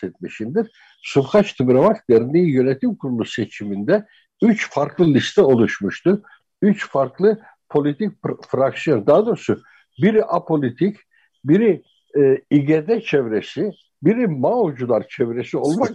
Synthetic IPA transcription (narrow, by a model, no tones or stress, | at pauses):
ɛt̪̚meʃind̪iɾ | sufxat͡ʃt̪ʰɯbɾamak̪d̪eɾind̪iijø̞net̪ʰimkʰuɾulˠuset͡ʃʰimind̪ɛ | yt͡ʃfaɾklˠɯlʲist̪ʰɛo̞lˠuʃmuʃt̪u | yt͡ʃfaɾklˠɯ | pʰo̞lʲit̪ʰic̚fɾaksijo̞nd̪ad̪oɾsʊ | biɾiʔapʰo̞lʲit̪ʰic | biɾi | iɟed̪ɛt͡ʃʰɛvɾesi | biɾimawd͡ʒulˠaɾt͡ʃʰɛvɾesio̞lˠmak